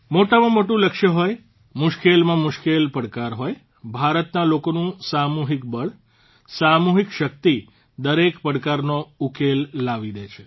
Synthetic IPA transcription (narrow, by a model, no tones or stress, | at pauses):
moʈamãmoʈũləkʃəɦoj | mʊʃkelmãmʊʃkelpəɽkaɾɦoj | bʱaɾət̪nalokonũsamuɦik̚bəɭ | samuɦikʃək̚t̪i | d̪əɾekpəɽkaɾnoukelːaʋid̪et͡ʃʰe̥